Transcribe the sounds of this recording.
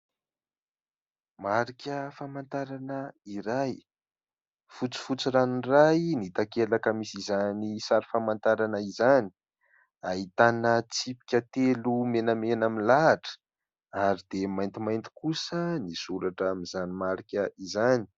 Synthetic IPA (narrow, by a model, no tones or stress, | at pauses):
maɾikʲəfamant̪aɾanəiɾaj | fut͡si̥fut͡siɾanirajnit̪akelakəmisizanisaɾifamant̪aɾanəizani̥ | aɦit̪anət͡sipi̥kʲət̪elumenamenaminlaʈ͡ʂə̥ | aɾid̪emajnt̪imajnt̪i̥kusənisuɾaʈ͡ʂamizanimaɾikʲəizani̥